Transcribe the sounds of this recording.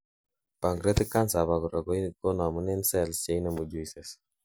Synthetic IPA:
pa˨ŋɡɾe˦t̪i˦ka˦nsa˨βa˨ɡu˨ɾa˨ɡo˦ɡo˦na˨mu˦ne˦nsɛ˦˨lse˦jna˨mu˨d͡ʒu˦i˨sɛ˨s

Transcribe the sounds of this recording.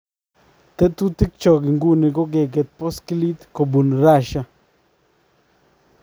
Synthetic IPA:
t̪ɛ˦t̪u˦t̪i˦k̚t͡ʃɔ˨ɡɪ˨ŋɡu˦nɪ˨ɡɔ˦ɡe˨ɡe˨t̪̚pɔ˦skli˦t̪ko˨bu˨nɾa˦ʃa˦

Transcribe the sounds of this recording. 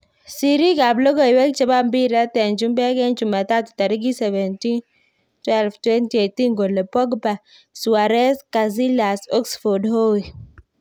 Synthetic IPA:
si˨ɾi˦ka˨blo˦ɡɔ˦i˨wɛ˦kt͡ʃɛ˦ba˦m˦bi˦ɾa˦tɛ˨nd͡ʒu˦mbɛ˦ɡɛ˦nd͡ʒu˨ma˨ta˦tu̥˨ta˨ɾi˦ɡi˦sɛ˨vɛ˨nti˦n | twɛ˦lftwɛ˦nti˨e˨ti˦ŋɡo˨le˨pɔ˦ɡba˨ | su˨a˨ɾɛ˦ska˨zi˦la˨sɔ˦ksfɔ˨dho˦i˨

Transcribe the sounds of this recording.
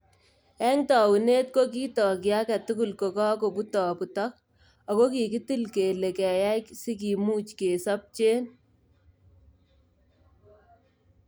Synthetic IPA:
ɛ˦ŋtɔ˨wu˨neː˦t̚ko˦k̬i˦tɔ˨kja˦kɛ˨tʊ˦ku˦˨lko˨kɔ˦k̬o˨pu˦tɔ˨pu˨tɔ˦k̚ | a˨ko˦ki˨ki˦ti˦lke˨le˨kɛ˨ja˦jksi˦k̬i˨muː˦t͡ʃke˨sa˦p̚t͡ʃeː˦n

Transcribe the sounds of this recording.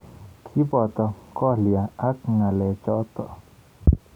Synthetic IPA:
kʰi˦bɔ˨t̪ɔ˨kɔ˦lja˨a˦k̚ŋa˨lɛ˨t͡ʃɔ˦t̪ɔ˨

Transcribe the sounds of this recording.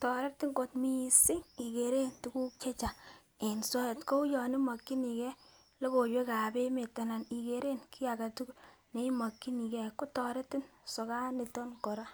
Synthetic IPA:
tɔ˨ɾe˦tɪ˦ŋko˨tmi˦sɪ˦ŋi˨ke˨ɾe˦ntu˦ku˦k̚t͡ʃe˦t͡ʃa˨ | e˨nsɔ˦˨tko˦u˦jɔ˨ni˦ma˨kːi˦ni˨kɛ˦ | le˦ko˨jwe˦ka˨be˦me˨ta˨na˨ni˨ke˨ɾe˦nki˦a˨ka˨tu˦kne˦ma˨kːi˦ni˨kɛ˨ko˦tɔ˨ɾe˦tɪ˦nsɔ˨ka˦ni˨tɔ˦nkɔ˨ɾa˦

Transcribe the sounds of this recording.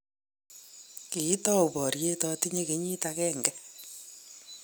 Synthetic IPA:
ki˨˦tɔ˦u˨bɔ˨ɾje˦tɔ˦ti˦ɲe˦ke˨˦ɲi˦ta˧kɛ˦ŋɡɛ˦

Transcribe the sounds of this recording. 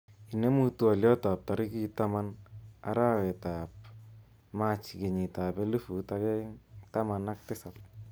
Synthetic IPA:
i˨ne˦mu˦tu˨a˨ljɔ˦ta˨p̚ta˨ɾɪ˦ki˦ta˦ma˦na̰˦ɾa˦wɛ˨ta˨p̚ | ma˦t͡ʃi˨ke˨ɲi˨ta˨pɛ˦lu˦fu˨ta˦kɛ˦ta˦ma˨na˦k̚tɪ˦sa˨t̚

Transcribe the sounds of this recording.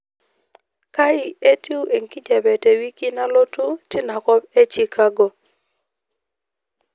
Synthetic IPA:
ka˦ɪ˨e˦ti˦u˦ʔe˨ŋki˦d͡ʒɛ˨bɛ˨te˨wi˦ki˦na˦lo˦tu˦tɪ˦na˨kɔ˦pe˦t͡ʃi˨kʰa˦ɡo˨

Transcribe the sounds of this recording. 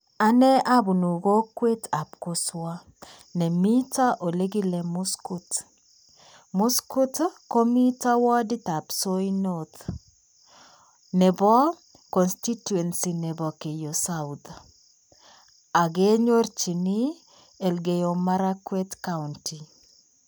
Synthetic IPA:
a˦nɛ˦a˦bu˨nu˨ɡo˦kwe˦ta˨pko˦swa˦ | nɛ˨mi˦ta˦ʔo˨le˦ɡi˦lɛ˨mu˦sku˦t | mu˦sku˦tko˦mi˦ta˦wɔ˦di˦t̪a˨pso˦jno˨t̪ | nɛ˨bɔ˦ | kɔ˨nsti˦tu˨ɛ˨nsi˨nɛ˨bɔ˨ke˨jo˨sawd̪a | a˨ɡe˦ɲo˦rt͡ʃi˨ni˦ | e˨lɡe˨jo˨ma˦ɾa˦kwe˦tka˦unti˨

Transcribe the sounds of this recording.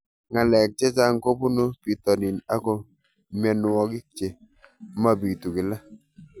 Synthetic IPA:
ŋa˨lɛ˨k̚t͡ʃɛ˦t͡ʃa˦ŋ˦ko˦pu˦no˦pi˨tɔ˨nɪ˨na˦ko˨ | mɛ˨nʊ˨ɔ˦kɪ˦t͡ʃe˨ | ma˦bi˨tu˨kɪ˨la˦

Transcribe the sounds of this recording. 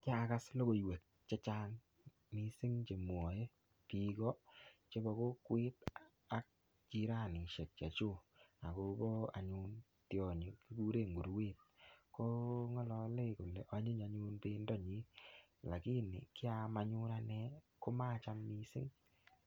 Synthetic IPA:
ka˦˨ka˦slo˦ɣo˨i˨we˨k̚ | t͡ʃɛ˦t͡ʃa˦ŋ | mi˦sɪ˦ŋt͡ʃe˨m˨ɔ˨e˦ | pi˨ɡɔ˦t͡ʃe˦bɔ˨ko˦kwe˦t | a˦k̚ | t͡ʃi˦ɾa˦˨ni˨ʃɛ˨k̚t͡ʃa˨t͡ʃo˦a˨ko˨bɔ˦a̰˨ɲu˦n | tjɔ˨ɲo˨ki˦ɡu˦ɾe˦˨ŋɡu˨ɾwe˦˨t̚kɔ˦ŋɔ˦lɔ˨le˦ko˨lɛ˨ʔa˨˦ɲe˦ɲa˨ɲu˦npe˦ndɔ˦ɲi˦ | la˨ki˦nɪ̰˨kɪ˦a˦ma˨ɲʊ˦ɾa˦nɛ˦ko˦ma˦˨t͡ʃa˦mːi˦sɪ̰˦ŋ

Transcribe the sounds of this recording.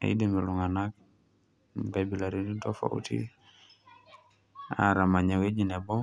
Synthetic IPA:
a̰˨i˦de˨mi˨lu˨ŋa˨na˦k̚ | ɡa˨bi˨la˨ɾi˦di˦dɔ˦fa̰˦ṵ˦tʰḭ˦ | a̰ɾa˨ma˨ɲa˨we˦d͡ʒi˨nɛ˨bɔ˦

